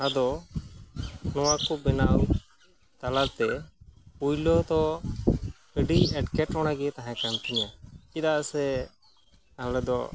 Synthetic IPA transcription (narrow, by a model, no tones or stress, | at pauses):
ad̪ɔ | nɔwakɔbɛnaw | t̪alat̪ɛpujlɔt̪ɔ | əɖiɛʈkɛʈɾɔɽ̃aɡɛt̪aɦãkant̪iɲakid̪aʔsɛ | alɛd̪ɔ̰